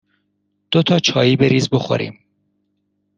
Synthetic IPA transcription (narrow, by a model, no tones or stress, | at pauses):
d̪̥ot̪ʰɒːt͡ʃʰɒːjiːbeɾiːzboxo̰ɾḭːm